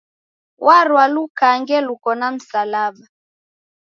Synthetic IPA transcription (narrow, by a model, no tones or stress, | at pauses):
waɾwalukaŋɡɛlukɔnam̩salaɓa